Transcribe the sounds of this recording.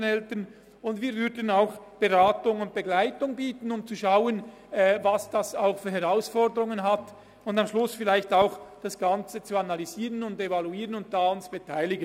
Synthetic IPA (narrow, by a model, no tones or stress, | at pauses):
nɛltən | ʊndviːɐɾvʏɾdən̩aʊxb̥eʁaːtʊŋʊnt̚b̥eɡlaɪtʊŋbiːtən̩ʊmt͡suʃaʊən | ɛvɑsd̥asaʊxfyːɾhɛʁaʊsfɔʁdəʁʊŋənɦat | ʊndamʃlʊsfɪlaɪçtaʊxd̥asɡ̥ɑnt͡sət͡suanalyziːʁənʊndevaluiːʁənʊnt̚d̥aːʊnt͡subetʰaɪlɪɡən